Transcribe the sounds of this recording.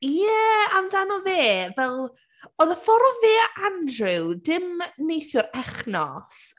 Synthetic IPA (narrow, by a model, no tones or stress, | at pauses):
jɛamdanɔveːvɛlˠ | ɔðəfɔɾɔveːʔandrɨwdɪmnejθjʊɾɛχnɔs